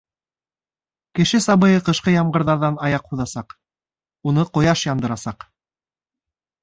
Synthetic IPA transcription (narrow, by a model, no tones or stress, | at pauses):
kɘ̆ʃɘsɑβɤ̆jɤqɤ̆ʃqɤjɑmɢɤ̆ɾðɑɾðɑnɑjɑqhuðɑsɑq | unɤqŏjɑʃjɑnd̪ɤ̆ɾɑsɑq